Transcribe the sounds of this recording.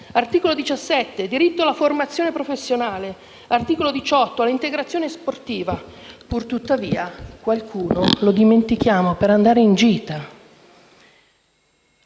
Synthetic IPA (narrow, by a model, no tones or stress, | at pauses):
art̪iːkolod̪it͡ʃasːɛt̪ːed̪iɾit̪ːoalaformat̪sːjoːnepɾofesːjonaːle | art̪iːkolod̪it͡ʃɔt̪ːoalːint̪eɡɾat̪sjoːnesport̪iːvapurt̪ut̪ːaviːakwalkʰuːnolod̪iment̪ik̟jaːmopeɾand̪aːɾeind͡ʒiːt̪a